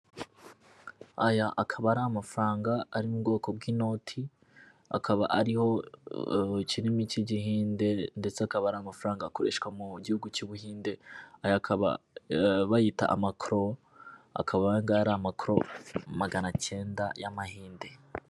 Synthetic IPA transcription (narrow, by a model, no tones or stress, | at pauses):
ajaʔakʰaβaɾamafɾaːŋɡaːɾimubɡo̞ːko̞b̚ɡiːno̞ːtʰi | a̰kʰaβaʔaɾiho̞ | t͡ʃiɾimiciɟiɦiːnde̞nde̞t͡seakaβaɾaːmafɾaːŋɡako̞ɾe̞̰ʃkwamuɟihuɡut͡ʃuβuhiːnde̞ajakʰaβa̰ | βajita̰ʔa̰makɾo̞ | a̰kʰaβaŋɡaːɾamakɾo̞̰maɡanat͡ʃe̞ːndajamahiːnde̞